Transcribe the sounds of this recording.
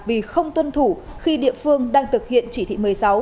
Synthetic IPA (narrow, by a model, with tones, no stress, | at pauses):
vi˨˩xə˧wŋ͡mt̪wə˧nt̪ʰu˧˩xi˧ɗḭ˧˨əfɨ˧əŋɗaː˧ŋt̪ʰɨ˨˩k̚hḭ˧˨ənt͡ɕi˧˩t̪ʰḭ˧˨mɨ˨˩əjsa˨˦w